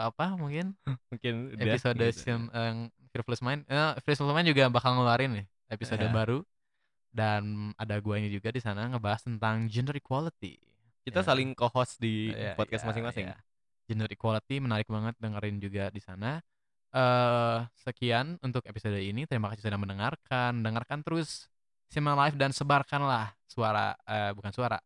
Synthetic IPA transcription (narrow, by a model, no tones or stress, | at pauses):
apamuŋkɪnmuŋkɪnedaisodsəməŋ | fiɾfləsmaɪnəfɾismaɪnd͡ʒuɡabakalŋəluaɾɪnɪh | episodabaɾu | danadaɡuaiɲad͡ʒuɡadisanaŋəbaɦast̪ənt̪aŋd͡ʒəndəɾikwalit̪ḭ | kit̪asalɪŋkohɔsdipɔkasmasɪŋmasɪŋ | d͡ʒəndəɾikwalit̪imənaɾɪk̚baŋət̪̚dəŋəɾɪnd͡ʒuɡadisana | ʔə | səkianunt̪ʊkepisodainit̪əɾimakasas̬ədaŋməndəŋarkʰanməndəŋarkant̪əɾʊsː | imalaɪfdansəbarkanlahsuaɾa̰ʔəbukansuaɾa̰